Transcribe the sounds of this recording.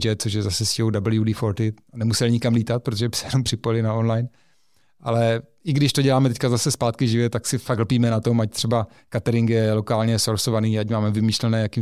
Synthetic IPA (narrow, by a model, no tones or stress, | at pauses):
d͡ʒɛt̪̚t͡soʃ̬jɛzasɛsiowdabl̩judɪfoɾt̪ɪanɛmusɛlɲɪkamliːt̪at̪̚pɾot̪oʒɛbɪsɛjɛnompr̝̥ɪpojɪlɪnaonlajn | ʔa̰lɛɪɡdɪʃt̪oɟɛlaːmɛt̪ɛckazasɛspaːt̪kɪʒɪvjɛt̪aksɪfaklpiːmɛnat̪o̞mac̚t̪r̥ɛba | kat̪ɛɾɪŋkjɛlokaːlɲɛsoɾsovaniːacmaːmɛvɪmiːʃlɛnɛːjakiː